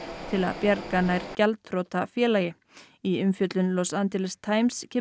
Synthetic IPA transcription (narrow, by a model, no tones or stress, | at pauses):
t̪ʰɪla̰ðpjaɾkanajɾcɛlt̪ʰɾoːt̪afjɛːlajɪ | iʏmfjœt̪lʏnlɔsant̪ɪlɪst̪ʰaːjmscʰɪː